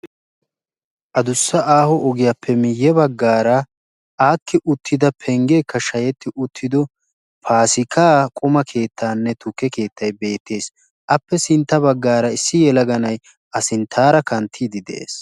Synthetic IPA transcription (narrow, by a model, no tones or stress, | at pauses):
ʔɐd̪ʊsːɐʔaːhɔʔɔɡɪjapːɛmɪjːɛbɐɡːaːɾɐ | ʔaːkːɪʔʊt̪ʰːɪd̪ɐpʰɛŋɡeːkːɐʃɐjɛt̪ːɪʔʊt̪ʰːɪd̪ɔ | pʰaːsɪkʰaːkʼʊmɐkʰe̞ːt̪ʰːaːnːɛt̪ʊkːɛke̞ːt̪ʰːɐjbe̞ːt̪ʰːe̞ːs | ʔɐpːɛsɪnt̪ːɐbɐɡːaːɾɐɪsːɪjɛlɐɡɐnɐj | ʔɐsɪnt̪ʰːaːɾɐkɐnt̪ʰːiːd̪ɪd̪ɛ̰ʔḛːs